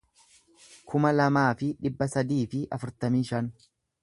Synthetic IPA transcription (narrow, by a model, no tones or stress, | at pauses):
kʰʊmɐlɐmaːfɪᶑɪbːɐsɐd̪iːfɪʔɐfʊɾt̪ɐmiːʃɐn